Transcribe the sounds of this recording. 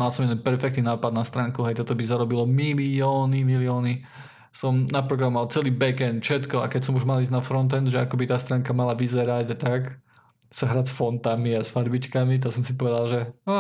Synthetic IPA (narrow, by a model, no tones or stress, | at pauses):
malsɔmɛd̪ɛnpɛɾfɛk̚t̪ninaːpad̪nast̪ɾaːŋkuɦɛjt̪ɔt̪ɔbizaɾɔbilɔmiliɔːnimiliɔːni | sɔmnapɾɔɡɾamɔalt͡sɛliːbɛkɛnfʃɛt̪kɔakɛcsɔmuʒmalizɟnafɾɔnt̪̬ɛnzʒɛakɔbit̪aːst̪ɾaːŋkamalaʋizɛɾaɟat̪ak | saɦɾaːsfɔnt̪amiasfaɾbit͡ʃkamit̪̬asɔmsipɔʋɛd̪alʒɛa